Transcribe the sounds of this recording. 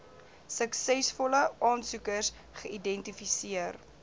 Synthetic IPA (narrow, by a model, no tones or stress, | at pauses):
səksɛsfɔləʔɑːnsukərs | χəidɛntifisiər